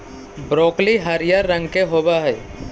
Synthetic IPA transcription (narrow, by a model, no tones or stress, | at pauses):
bɾoːkliɦɐɾijaɾːə̃ŋɡkeɦoːbaɦɛː